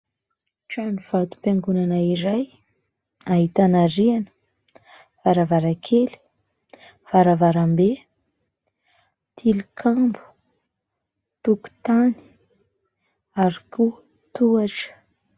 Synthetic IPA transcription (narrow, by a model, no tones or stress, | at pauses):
ʈ͡ʂaniv̥at̪u̥paŋɡunanaiɾaj | aɦit̪anaɾianə̥ | v̥aɾavaɾakʰeli̥ | v̥aɾavaɾambe | t̪ʰilikʰambu̥ | t̪uku̥t̪ani̥ | aɾi̥ku | t̪uaʈ͡ʂə̥